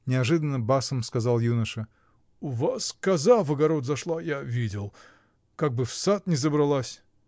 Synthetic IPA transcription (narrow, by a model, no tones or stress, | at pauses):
nʲɪɐʐɨd̪ənːəbasəmskɐzɑlˠjunəʂə | ʊvaskɐzavəɡɐɾo̞t̪zɐʂlˠajavʲidʲɪlˠ | kaɡ̚bɨfsat̪nʲɪzəbɾɐlˠasʲ